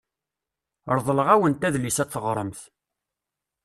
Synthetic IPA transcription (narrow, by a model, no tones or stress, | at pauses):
ɾˤðˤləʁæwənt̪æðlisæθːəʁɾˤəmθ